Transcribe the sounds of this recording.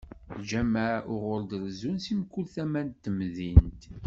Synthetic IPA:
d͡ʒæmæʊʁʊld̪əɾzunsimkːulθæmænt̪ːəmðint̪

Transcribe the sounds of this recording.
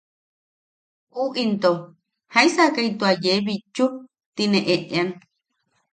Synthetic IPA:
uʔint̪o | haĩsakait̪uajeβit͡ʃu | t̪inẽʔeʔean

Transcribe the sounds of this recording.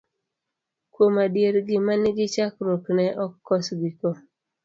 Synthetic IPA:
kwomadjeɾɡɪmanɪɡɪt͡ʃakɾoknɛʔɔkːɔsɡikɔ

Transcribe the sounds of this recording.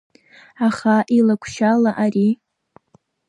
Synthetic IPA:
aχaʔilakʷʰʃalaʔari

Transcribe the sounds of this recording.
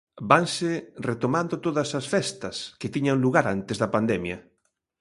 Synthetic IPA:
baŋsɪret̪omãnd̪ot̪oðɐsɐsfɛst̪ɐsket̪iɲaŋluɣaɾant̪ezðɐpand̪ɛmjɐ

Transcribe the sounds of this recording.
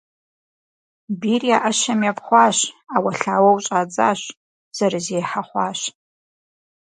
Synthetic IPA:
biriaʔɐʃɐmjapχʷɑːʃawɐɬaːwɐwt͡ʃʼaːd͡za̰ːɕ | z̥ɐɾɨzeːħaχʷɑːɕ

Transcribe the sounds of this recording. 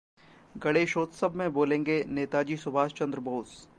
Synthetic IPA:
ɡɐɽeʃoːt̪səbʱmẽboːlẽːŋɡeneːt̪ad͡ʒiːsʊbʱaːst͡ʃɐ̃nd̪ɾəboːs

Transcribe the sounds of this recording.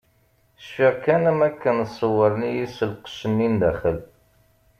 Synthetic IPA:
əʃfiʁkænæmækːənəsˤːəwəɾnijisəlqə̥ʃənːind̪æχəl

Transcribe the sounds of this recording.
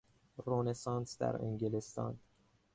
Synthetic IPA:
ronesɑːnsd̪æ̰ɾḛŋɡelest̪ɒ̰ːn

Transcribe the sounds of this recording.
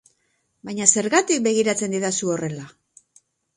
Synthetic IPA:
bajɲase̞ɾɣat̪ik̚be̞ɣ̞iɾat͡se̞nd̪iðasuo̞re̞la

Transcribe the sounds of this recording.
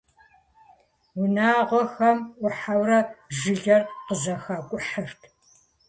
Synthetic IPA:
wʊnaːʁʷɔxɐmʔʷʊħawrɐʒɨɮɐrqəzɐxaːkʷʼʊħərtʰ

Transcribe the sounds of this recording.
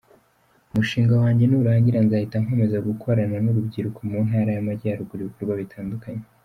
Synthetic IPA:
umuʃiːŋɡawaːɲɟe̞nuuɾaːɲɡiɾanzahitaŋ̥hweːme̞zaɡukʰo̞ɾananuɾubɟiɾukʰo̞munhɦaːɾajamaɟaːɾukuɾiβukuɾɡwaβitʰaːndukaɲe

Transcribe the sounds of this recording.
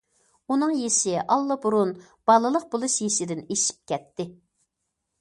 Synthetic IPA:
unɨŋjeʃɪʔɑlˠːəbuɾun | b̥ɑlˠɨlˠəq̚bolˠuʃjeʃɪd̪ɪneʃi̥p̚kʲɛt̪ʰːɪ

